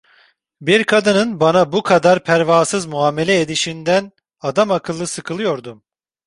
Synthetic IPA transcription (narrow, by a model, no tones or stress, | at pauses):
biɾkʰad̪ɯnɯnbanabukʰad̪aɾpʰæɾvaːsɯzmuɦaːme̞lʲɛed̪iʃind̪æn | ad̪amakʰɯlˠːɯsɯkʰɯlˠɯjo̞ɾd̪um